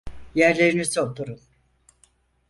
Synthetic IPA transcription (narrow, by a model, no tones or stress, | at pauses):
jæɾlʲe̞ɾinizolˠt̪ʰuɾun